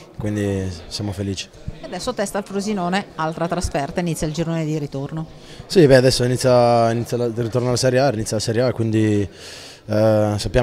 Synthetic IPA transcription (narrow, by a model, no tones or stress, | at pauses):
kwind̪isjamofeliːt͡ʃi̥ | ead̪ɛsːot̪ɛst̪alfɾuzinoːnealt̪ɾat̪ɾasfɛrt̪ainit̪ːjaild͡ʒoɾnoːned̪iɾit̪orno | sibɛad̪ɛsːoinit̪sːjainit̪ːjalarit̪ornoalasɛɾjeainit̪sjalasɛɾjeakːwind̪i | sapːja